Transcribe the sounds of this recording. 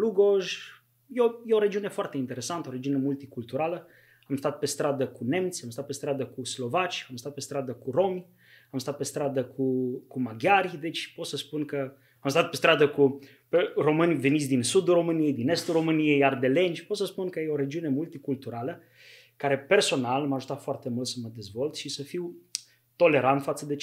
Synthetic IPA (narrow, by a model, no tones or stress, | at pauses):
luɡoʒ | jejeo̞ɾe̞d͡ʒiune̞foart̪e̞int̪e̞ɾe̞sant̪əoɾe̞d͡ʒiunemult̪ikult̪uɾalə | amst̪at̪̚pe̞st̪ɾad̪əkune̞mt̪sʲamst̪at̪̚pe̞st̪ɾad̪əkuslo̞vat͡ʃʲamst̪at̪̚pe̞st̪ɾad̪əkuɾo̞m | amst̪at̪̚pe̞st̪ɾad̪əkʰukumaɡʲjaɾd̪e̞t͡ʃʲpo̞t̪səspunkə | amst̪at̪̚pe̞st̪ɾad̪əku | pero̞mɨnʲve̞nit̪sʲd̪insud̪uro̞mɨnije̞jd̪ine̞st̪uro̞mɨnije̞jard̪e̞le̞nd͡ʒpo̞t̪səspunkəjeo̞ɾe̞d͡ʒiune̞mult̪ikult̪uɾalə | kaɾe̞pe̞rso̞nalməaʒut̪afoart̪e̞mult̪səməd̪e̞zvo̞lt̪ʃisəfiw | t̪ole̞ɾant̪fat̪səd̪e